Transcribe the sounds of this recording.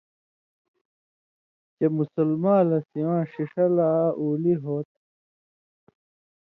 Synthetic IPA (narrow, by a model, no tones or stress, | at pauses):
t͡ɕemusulmaːlɐsiwãːɕiʂɐlaːʔuːliɦoːt̪̚